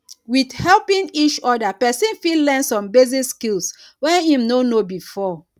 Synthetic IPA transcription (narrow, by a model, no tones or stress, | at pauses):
widhɛlpĩŋit͡ʃɔdapɛsĩnfidlɛ̃nsɔ̃mbeziskils | wɛ̃nĩmnonobifɔ